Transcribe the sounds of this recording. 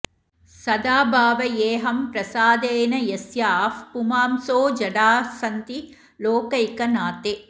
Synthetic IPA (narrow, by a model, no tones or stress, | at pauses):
sɐd̪aːbʱaːʋɐjeːɦɐmpɾɐsaːd̪eːnɐjesjaːfpumaːmsoːd͡ʒɐɽaːsɐnt̪i | loːkɐjkɐnaːt̪eː